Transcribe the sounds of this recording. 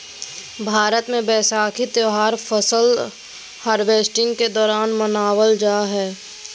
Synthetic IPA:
bʱaːɾət̪mẽbɛːsaːkʰit̪joːɦaːɾfʰəsəl | haːɾbeːsʈɪ̃ŋɡked̪ɔːɾaːnmənaːwəld͡ʒaːɦɛː

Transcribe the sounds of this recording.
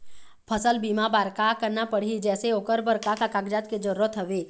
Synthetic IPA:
pʰəsəlbiːmabaːɾkakəɾnapəɽ̤ɦid͡ʒɛːseoːkəɾbəɾkakakaːɡd͡ʒaːt̪ked͡ʒɐɾuɾət̪ɦɐʋeː

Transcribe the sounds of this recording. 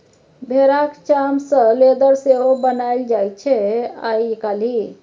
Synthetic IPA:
bʱeɾakt͡ʃamsə̃led̪əɾseɦobənajld͡ʒajt͡ʃʰɛa̰jkali

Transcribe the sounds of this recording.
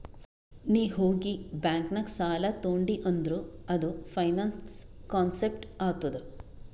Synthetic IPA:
niːɦoːɡibaːŋknɐksaːlɐt̪oːɳɖiʔɐnd̪ɾuɐd̪upʰɐjnaːnskaːnsepʈaːt̪ud̪u

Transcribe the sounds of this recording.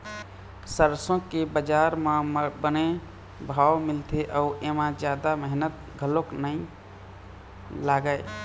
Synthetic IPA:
səɾsõkebəd͡ʒaɾmãbəne | bʱawmilt̪ʰeʔəuʔemãd͡ʒjad̪aməɦnət̪̚ | ɡʱəloknəi | laɡəɪ

